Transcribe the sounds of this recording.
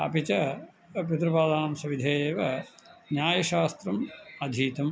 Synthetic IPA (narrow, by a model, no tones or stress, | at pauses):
ɐ̰pit͡ʃɐ | pit̪ɾɐbaːd̪aːmsɐʋid̪ʱɐjeːʋɐnjaːjɐʃaːst̪ɾɐmɐd̪ʱiːt̪ɐm